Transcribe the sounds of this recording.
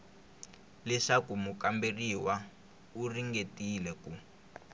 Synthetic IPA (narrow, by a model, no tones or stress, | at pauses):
lɛʂakumukamberiwa | uriŋɡetilɛku